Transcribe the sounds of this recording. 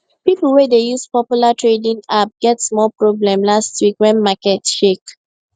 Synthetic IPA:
pipəl̩ˠwɛdejuspɔpjulatʰɹedĩŋap̚ɡ̥ɛtsmɔlpɹɔblɛ̃mlastwikwɛ̃nmakɛtʃek

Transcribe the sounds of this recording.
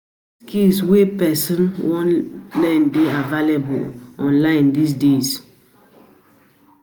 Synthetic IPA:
skilswɛpɛsə̃nwɔ̃nlãndeavalebṵlɔ̃nlãɪ̃ndis̬dez

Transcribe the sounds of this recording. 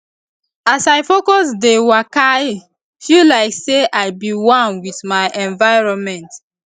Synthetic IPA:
asajfokɔsdewakaj | filaɪkseʔaɪbiwãnwiθmaɪʔɛ̃nvaɪɹɔ̃nmɛ̃nt

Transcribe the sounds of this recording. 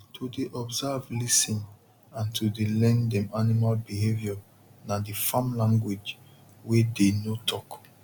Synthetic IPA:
tʰudeʔɔbzavlisĩn | ãntʰudelɛ̃ndɛ̃manimalbiɦevjɔ | nadifãmlãŋɡwid͡ʒ | wedenotʰɔk

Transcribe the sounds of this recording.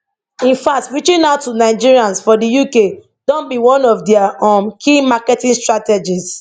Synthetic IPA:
ĩnfak̚tɹit͡ʃĩnaʊtːunaɪd͡ʒiɹiãnsfɔdəjuke | dõnbiwɔ̃nɔvdɛaɔ̃mkʰimakɛtĩŋstɹatɛd͡ʒis

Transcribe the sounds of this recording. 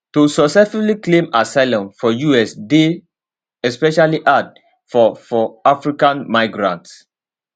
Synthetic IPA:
tusɔsɛfikliklẽmasaɪlɔ̃nfɔjuɛsde | ɛspɛʃaliʔad | fɔfɔafɹikãnmaɪɡɹã̰nts

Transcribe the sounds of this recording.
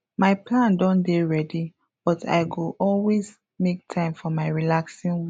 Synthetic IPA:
maɪplãndɔ̃ndeɹɛdi | b̥ɔtʰa̰ɪɡoʔɔlwez | mek̚tʰãɪ̃mfɔmaɪɹilaksĩnw

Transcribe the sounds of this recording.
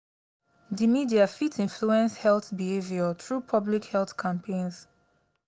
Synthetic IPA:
dimidiafitʰĩnfluɛ̃nshɛlθbihevjɔtɹupʰʌblikhɛlθkʰãmpʰẽnz

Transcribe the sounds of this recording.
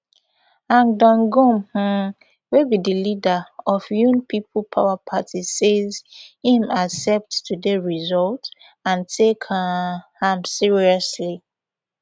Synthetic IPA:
ãŋdɔ̃nɡɔ̃mh̩ | webidilidaɔfjũnpipʰlpʰaʊapʰatʰisezhĩmasɛp̚tːudeɹizɔlt | ãntʰek | hãmsiɹiɔsli

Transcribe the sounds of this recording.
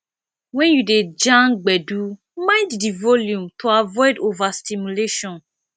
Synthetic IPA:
wɛ̃njuded͡ʒãnɡ͡bɛdu | mãɪddivɔljũmtʰuavɔɪdovastimuleʃɔ̃n

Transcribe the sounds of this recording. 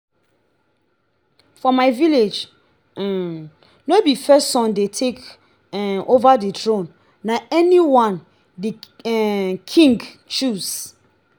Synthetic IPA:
fɔmaɪviled͡ʒ | nobipɛssɔ̃ndetʰek | ovaditɹõnː | aɛniwãn | di | kʰĩŋɡ | t͡ʃus

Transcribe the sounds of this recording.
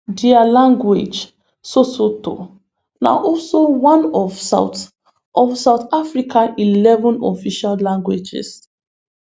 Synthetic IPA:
dialãŋɡwed͡ʒ | sosoto̰ | na̰ʔɔlsowãnɔvat | ɔfsaʊtafɹikailɛvɔ̃nɔ̰fiʃallãŋɡwed͡ʒɪ̰s

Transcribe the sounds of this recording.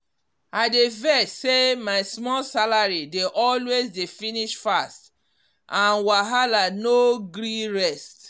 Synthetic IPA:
aɪdevɛssemaɪsmɔlsalaɹideʔɔlwezdefiniʃfast | ʔãnwaɦalanoɡɾiɹɛst

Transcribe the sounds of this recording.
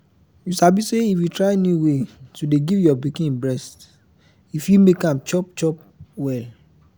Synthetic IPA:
jusabiseifwitɹaɪenuwetudeɡivjɔbikĩnbɹɛst | ifjumekãmt͡ʃɔp̚t͡ʃɔp̚ | wɛl

